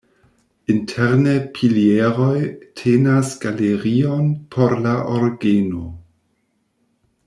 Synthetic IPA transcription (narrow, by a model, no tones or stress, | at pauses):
intʰeɾnepʰilieɾojtʰenasɡaleɾio̞npʰo̞ɾlaʔoɾɡeno